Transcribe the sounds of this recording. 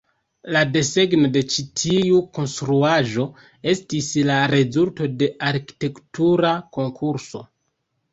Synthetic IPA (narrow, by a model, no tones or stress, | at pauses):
lade̞se̞ɡno̞de̞t͡ʃitʰiuko̞nstɾuaʒo̞ | e̞stislaɾe̞zulto̞de̞ʔaɾki̥te̞ktuɾako̞ŋkʰuɾso̞